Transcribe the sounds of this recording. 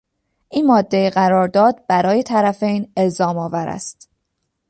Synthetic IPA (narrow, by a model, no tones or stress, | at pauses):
ʔiːnmɒːd̪ːe̞jeɣæɾɒːɾd̪ɒːd̪̚bæɾɒːje̞t̪ʰæɾæfe̞jne̞lzɒːmɒːvæɾæ̰st̪